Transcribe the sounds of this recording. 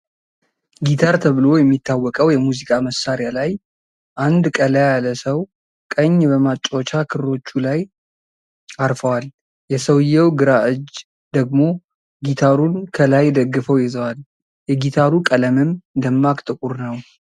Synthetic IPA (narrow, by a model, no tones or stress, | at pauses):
ɡit̪ʰaɾt̪ʰəβɨlo̞jɛmːit̪ʰːawːɔkʼəwjɛmuzikʼaməsːaɾjalaj | ʔand̪kʼəlajjaləsəw | kʼəɲːbəmat͡ʃʼːot͡ʃakʰɨɾɾo̞t͡ʃːulaj | aɾfəwal | jɛsəwɨjːɛwɡɨɾaʔɨd͡ʒ | d̪əɡmo̞ | ɡit̪ʰaɾunkʰəlajd̪əɡːɨfəwjɪzəwal | jɛɡit̪ʰaɾukʼələmɨmd̪əmːakʼt̪ʼɨkʼuɾnəw